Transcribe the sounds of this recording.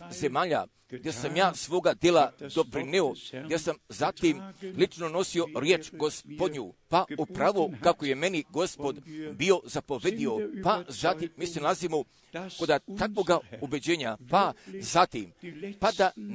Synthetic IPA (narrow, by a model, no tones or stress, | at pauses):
zemaːʎa̰ | ɡd̪je̞samjaːsʋo̞ːɡad̪jelad̪o̞pɾineo̞ɡd̪jesamzat̪imlit͡ʃno̞no̞sio̞ɾje̞ːt͡ʃɡo̞spod̪ɲṵpaupɾaʋokako̞je̞me̞niɡo̞spod̪bio̞zapo̞ʋe̞d̪io̞pazat̪imːiːsenalˠazimo | ko̞d̪at̪akʋo̞ɡaube̞d͡ʑeːɲapazat̪impad̪a